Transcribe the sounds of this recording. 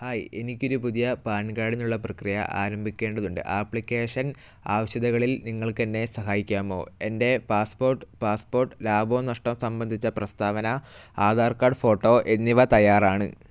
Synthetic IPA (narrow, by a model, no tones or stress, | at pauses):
haːje̞nikʲːo̞ɾupuðijɐpaːnkaːɽinːuɭːɐprɐkrijɐ̰ʔa̰ːɾɐmbʱikʲːe̞ːɳɖɐðuɳɖɨ̰ʔaːpːɭikʲːe̞ːʂɐn | aːʋɐɕjɐðɐɣɐɭilniŋːɐɭke̞nːe̞sɐɦaːjikʲːaːmo̞̰ːe̞nde̞paːspo̞ːrʈːɨpaːspo̞ːrʈːɨlaːboːmnɐʂʈɐmsɐmbɐnd̪ʱit͡ɕːɐprɐst̪ʰaːʋɐnɐaːd̪aːrkaːɖfo̞ːʈːo̞ːʔe̞nːiʋɐt̪ɐjaːraːɳɨ̰